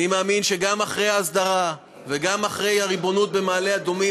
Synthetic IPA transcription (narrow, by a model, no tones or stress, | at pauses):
imaaːminʃe̞ɡamaχʁe̞jaːsd̪aʁa | veɡamaχʁe̞jaʁibo̞nut̪̚be̞maːle̞ad̪omi